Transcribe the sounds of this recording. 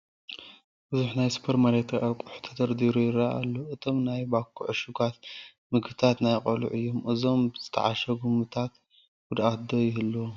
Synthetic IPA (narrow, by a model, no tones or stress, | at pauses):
b̥ɨzuħnajsu̥pʰeɾmaɾet̪ɾɐʔakʼuħu̥t̪ʰɐt̪ɐɾd̪iɾujɪɾaʔa̰lːoʔɨt̪ʰo̞mnajbakʰːṵʕʃuɡat̪̚ | mɨɡbɨt̪ʰat̪najqʼɐlṵʕɨjːomʔɨzo̞mz̥ɨt̪ʰɐ̰ʕaʃɐɡumɨt̪ʰat̪ | ɡ̥ud̪ʔat̪d̪ojɪɦɨlːɐw